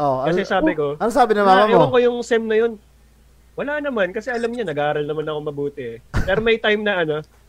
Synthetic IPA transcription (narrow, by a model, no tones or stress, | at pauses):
ʔokɐsɛsaːbɪko̞ɐnosaːbɪnɐmamɐɪwwɐŋkojʊŋsɛmnɐjo̞n | wɐlaːnɐmankɐsɛʔɐlɐmɲanɐɡʔaːɾɐlnɐmanɐko̞ŋmɐbuːt̪ɛɛpɛːɾomɐjt̪ajmnɐʔɐno̞